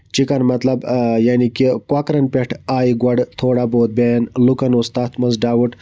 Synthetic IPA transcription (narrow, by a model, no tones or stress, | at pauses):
t͡ʃikɐnmɐt̪lɐbjaːnikikwakɾɐnpeʈʰaːiɡwɐɖt̪ʰoːɽaboːd̪̚beːnlukɐnust̪aːt̪ʰmɐnzɖaːwuʈ